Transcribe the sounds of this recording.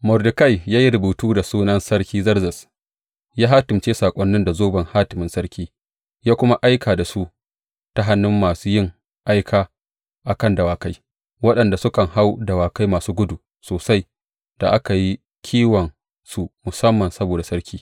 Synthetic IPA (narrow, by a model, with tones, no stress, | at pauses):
mʊ˨rdɪ˨ka˦jjaː˦ji˦ɾʊ˨buː˨tuː˦da˨suː˦nɐ˦nsɐ˦ɽkʲiː˦zɐ˦rzɐ˨s | jaː˦ɦaː˦tɪ˨mt͡ʃeː˦saː˨kʷʼɔ˦nːɪ˦nda˨zoː˦bɐ˨ŋhaː˦tɪ˨mɪ˦nsɐ˦rkʲʰiː˦ | jaː˦kʷʊ˦ma˦ʔa˦jkʰaː˨da˨su˦ | ta˨ɦa˦nːʊ˦mːaː˨suː˦jɪ˦ŋ | ʔa˦jkʰaː˦ | ʔa˨kɐ˦ndɐ˨waː˨ka˦j | wɐ˦ɗɐ˨nda˨sʊ˦kɐ˨ŋha˦wdɐ˨waː˨ka˦jmaː˨suː˦ɡʷʊ˦du˨ | soː˨sa˦j | d̥a̰˨ʔa˦ka˨ji˦ | kʲʰiː˦wɐ˨n | su˦mʊ˨sɐ˦mːɐ˨nsɐ˦boː˨da˨sɐ˦ɾkʲʰiː˦